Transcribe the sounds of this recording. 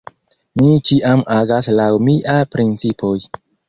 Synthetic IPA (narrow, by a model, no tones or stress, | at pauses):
mit͡ʃiʔamaɡaslawmiʔapɾint͡sipʰoj